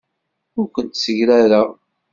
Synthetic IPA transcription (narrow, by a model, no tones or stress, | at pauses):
ʊɾkʷənt̪səʝɾæɾa